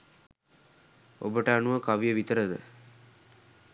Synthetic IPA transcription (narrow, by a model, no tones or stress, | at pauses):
obəʈəanuʋəkaʋijəʋit̪əɾəd̪ə̰